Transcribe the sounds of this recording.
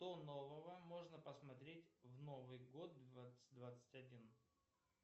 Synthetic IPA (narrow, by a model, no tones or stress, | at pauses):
t̪ono̞vəvəmo̞ʐnəpəsmɐt̪ɾʲetʲvno̞vɨjɡo̞t̪̚d̪vat̪sɨd̪vat̪sɨ̥tʲɐdʲin